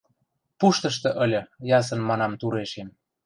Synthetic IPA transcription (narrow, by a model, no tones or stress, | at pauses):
puʃt̪ɤ̆ʃt̪ɤ̆ʔə̆lʲɤ̆jɑs̬ə̆nmɑnɑmt̪uɾeʃem